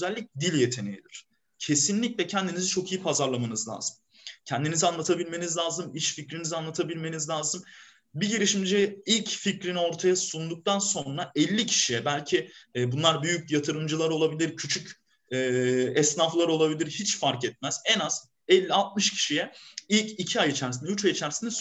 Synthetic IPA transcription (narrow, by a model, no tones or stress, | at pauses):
øzælʲːic̚d̪ilʲje̞t̪ʰe̞nejid̪iɾ̝̥ | cʰe̞sinlʲiclʲɛcʰɛnd̪inizit͡ʃʰo̞kʰijipʰazaɾlˠamanɯzlʲa̰ːzɯm | cʰɛnd̪inizianlˠat̪ʰabilʲme̞nizlʲaːzɯmiʃficɾinizianlˠat̪ʰabilʲme̞nizlʲaːzɯm | biɟeɾiʃimd͡ʒiilʲcficɾino̞ɾt̪ʰajasund̪uk̚t̪ʰanso̞nɾaʔɛlʲːicʰi̥ʃijɛbælʲcʰibunlˠaɾbyjycjat̪ʰɯɾɯmd͡ʒɯlˠaɾo̞lˠabilʲiɾcʰyt͡ʃʰyc | ɛɛsnaflˠaɾo̞lˠabilʲiɾhit͡ʃfaɾkɛt̪̚mæz̥ɛnaz̥ | ɛlʲːialˠt̪̚mɯʃcʰi̥ʃijɛilʲcʰicʰiajit͡ʃʰæɾs̬inɛyt͡ʃajit͡ʃʰæɾsinɛ